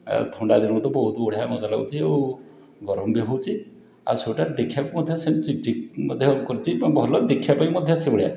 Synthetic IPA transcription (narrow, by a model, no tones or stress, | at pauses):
t̪ʰɔɳɖad̪inɔ̃t̪ɔbɔɦut̪ɔoɽ̤ijamɔd͡ʒ̪ala̰ut͡ʃʰiew | ɡɔɾɔmbiɦɔwt͡ʃʰi | a̰sowʈaɾd̪ekʰjakumɔd̪ʱjɔset͡ʃid͡ʒimɔd̪ʱjɔkɔɾit͡ʃʰibʱɔlɔd̪ekʰjapaĩmɔd̪ʱjɔsebɽija